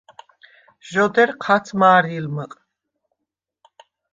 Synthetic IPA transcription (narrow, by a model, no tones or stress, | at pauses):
ʒɔd̪ɛɾqʰat̪t͡s̪ʰmaːɾilməqʼ